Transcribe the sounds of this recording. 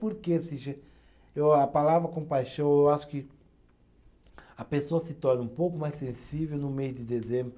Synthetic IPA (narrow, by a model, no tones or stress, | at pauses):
poɾkesĩʒẽ | ewɐpalavɾɐkõpajʃɐ̃w̃ewaʃʊ̥kɪ | ɐpesoɐsɪt̪ɔɾnɪũpowkʊmajsẽsivewnʊmejʊd̪ɪd̪ezẽbɾʊ